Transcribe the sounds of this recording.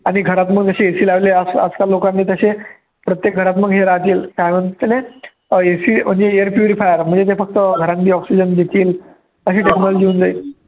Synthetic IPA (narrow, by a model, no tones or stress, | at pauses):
aɽ̃iɡʱəɾat̪məɡd͡zəɕeesiːlaʋleəsə̰d͡zkalokãnːiːt̪əɕe | pɾət̪jek̚ɡʱəɾat̪məɡɦeɾat̪iːlkajʋəɳt̪t̪ːelẽ | esiːm̤əɳd͡zeeəɾpjuɾifajəɾm̤əɳd͡zet̪efək̚t̪əɡʱəɾãnd̪iːɔksid͡ʑənd̪et̪iːl | əɕeʈeknɔlɔd͡ʑiund͡zai